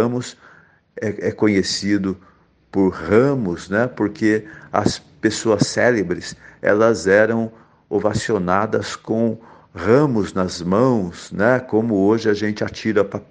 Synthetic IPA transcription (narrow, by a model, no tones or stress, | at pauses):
ɐ̃mʊs | ɛɛkõɲesid̪ʊ | pʊɾhɐ̃mʊsnɛpoɾkʰeɐ̰spesoɐsːɛlebɾɪsɛ̰lɐzɛɾɐ̃w̃ | ovasionad̪ɐskõ | ʁɐ̃mʊznɐzmɐ̃w̃snɛkõmʊoʒɪɐʒẽnt͡ʃɪat͡ʃiɾɐpa